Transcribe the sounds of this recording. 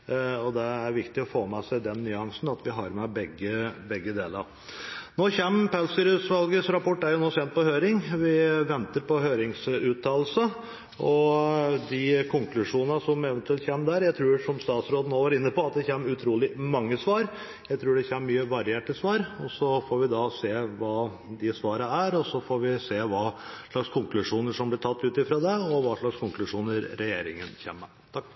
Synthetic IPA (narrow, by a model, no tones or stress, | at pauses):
ɔd̪ɛæɾʋɪkt̪ɪɔfoːmæsæɪd̪ɛnːʏɑŋsn̩ɑt̪ʋɪɦɑɾmɛbɛɡːəbɛɡːəd̪eːlə̰ɾ | noːçɛmːpʰælsɪɾʉsʋɑlɡəsɾɑpʰɔʈːæɾjʊnoːsɛːnt̪̚pɔhøːɾɪŋʋɪʋɛnt̪əɾpɔɦøːɾɪŋsʉːt̪ʰɑːllsə | ɔd̪ɪkʰʊŋklʉʂuːnənəsɔmɛʋɛnt̪ʉɛlt̪çeːməd̪æɾjæɪt̪ʰɾʉːɾʂɔmst̪ɑːt̪sɾoːd̪noːʋɑɾɪnːəpɔɑt̪̚d̪ɛçeːmʉt̪ʰɾuːlɪmɑŋːəsʋɑːɾ | jæɪt̪ʰɾʉːɖɛçeːməmyːəʋɑɾɪeːʈəsʋɑːɾɔsɔfoːɾʋɪd̪ɑseːʋɑː | d̪ɪsʋɑːɾəæɾɔsɔfoːɾʋɪseːʋɑːʂɭɑkskʰʊŋklʉʂuːnəʂɔmblɪʈʰɑt̪ːʉːt̪ɪfɾoːd̪ɛɔʋɑʂɭɑkskʰʊŋklʉʂuːnəɾːɛjeːɾɪ̰ŋənçḛːmːə | t̪ʰɑk